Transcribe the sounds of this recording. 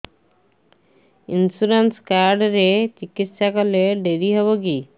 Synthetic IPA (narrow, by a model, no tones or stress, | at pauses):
insuɾenskaɾɖɾet͡ɕikit̪ːʃakoleɖeɾiɦɔβoki